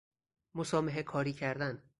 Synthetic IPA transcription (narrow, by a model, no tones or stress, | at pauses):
mosɒːmeɦekʰɒːɾiːcʰæɾd̪æn